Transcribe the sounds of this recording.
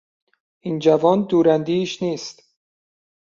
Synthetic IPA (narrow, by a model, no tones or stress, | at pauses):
iːnd͡ʒævɒːnd̪uːɾænd̪iːʃniːst̪